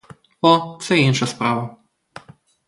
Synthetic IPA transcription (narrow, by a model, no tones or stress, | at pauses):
ɔt̪sɛenʃaspɾaːʋa